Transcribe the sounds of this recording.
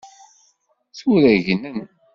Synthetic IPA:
θuɾæʝnən

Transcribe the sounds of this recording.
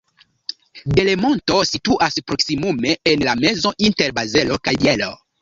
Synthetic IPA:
de̞lemo̞nto̞situʔaspɾoksimume̞enlame̞zo̞ʔinte̞ɾbaze̞lokajelo̰

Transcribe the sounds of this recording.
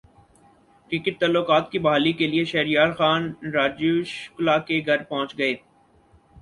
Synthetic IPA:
kɾɪkɪʈ̚t̪aːlːokaːt̪kibɐɦaːlikelieʃɛːɾijaːɾxaːnɾaːd͡ʒuʃʊ̥klakeɡʱɐɾpɔɦʊ̃t͡ʃɡɐeː

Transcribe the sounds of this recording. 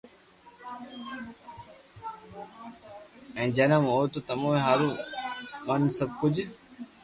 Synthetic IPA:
ɛ̃ːd͡ʑeːnãːmoːt̪oːt̪əmõːẽɦaːɾũːmənsəb̚kʊd͡ʑ

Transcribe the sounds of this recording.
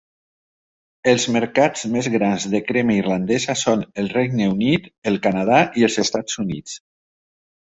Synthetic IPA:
əlˠzməɾkazmezɣɾanzðəkɾɛməirland̪ɛzəsonəlˠrɛɡnəunit̪əlˠkanað̞aʔiəlˠzəst̪ad͡zunḭt͡s

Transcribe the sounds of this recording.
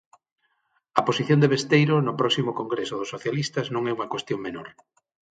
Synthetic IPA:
ɐposiθjõnd̪eβest̪ejɾʊnʊpɾɔksimʊkoŋɡɾesʊðʊsːoθjalist̪ɐznõŋɛuŋɐkwest̪joŋmenoɾ

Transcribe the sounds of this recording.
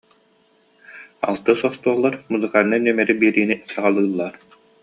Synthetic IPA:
a̰lˠt̪ɯːsɔst̪uɔʁlˠːaɾmuzɯkaɾɯnanœmɛɾibiːɾiːnisaʁalˠɯːlˠːaːɾ

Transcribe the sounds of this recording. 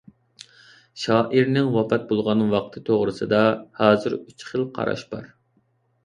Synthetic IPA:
ʃɑːʔiɾnɪŋwɑpɛt̪̚bolˠʁɑnwɑq̚t̪ʰɨt̪ʰoʁɾɨsɨd̪ɑhɑːzɨɾyt͡ʃχəlˠqʰɑ̰ɾɑ̰ʃb̥ɑ̰ɾ

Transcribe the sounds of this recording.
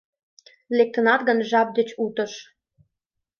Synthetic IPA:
lek̚t̪ə̆nɑt̪ɣənʒɑp̚d̪et͡ɕut̪ə̆ʃ

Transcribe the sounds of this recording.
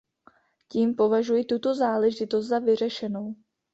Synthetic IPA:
ciːmpo̞vaʒujit̪ut̪o̞zaːlɛʒɪt̪ost̪zavɪr̝ɛʃɛno̞w

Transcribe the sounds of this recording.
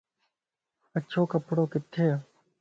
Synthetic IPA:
ɐtːʃʰoːkɐpɽoːkɪt̪ʰːeː

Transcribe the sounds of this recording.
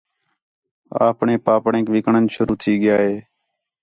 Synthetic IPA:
a̰ːpɳeːpaːpɳẽːkʋɪkɳənʃʊɾuːt̪ʰiːɠɪjaːɦeː

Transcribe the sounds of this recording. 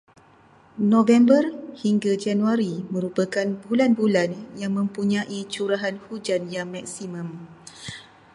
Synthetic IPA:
nõvɛmbərhiŋɡad͡ʒanuaɾimə̃ɾupakanbulanbulanjaŋmə̃mpuɲãʔit͡ʃuɾaɦanhud͡ʒanjaŋmak̚simə̃m

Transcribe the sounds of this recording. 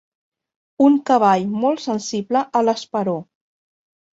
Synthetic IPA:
uŋkəβ̞aʎmɔlˠtsənsibləʔələspəɾo

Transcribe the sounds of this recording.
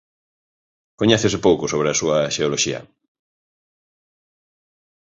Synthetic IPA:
koɲɛθesepowkosoβ̞ɾeasuaʃeoloʃiɐ̰

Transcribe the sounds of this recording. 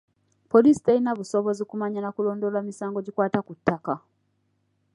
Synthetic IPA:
polisi̥tainaβuso̞βo̞zikumaɲanakulo̞ːndolamisaːŋɡoɟikwaːtakutːaka

